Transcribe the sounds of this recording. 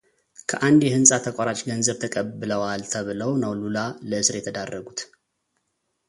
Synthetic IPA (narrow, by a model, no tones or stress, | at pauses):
kʰəʔand̪jɛhɨnsʼat̪ʰəkʷʼaɾat͡ʃʼɡənzəβt̪ʰəkʼəbːɨləwalt̪ʰəβɨləwnəwlulaləɨsɨɾjɛt̪ʰəd̪arːəɡut̪